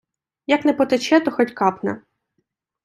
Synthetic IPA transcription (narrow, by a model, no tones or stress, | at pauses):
jɐknɛpɔt̪et͡ʃɛt̪ɔxɔtʲkɑpnɛ̰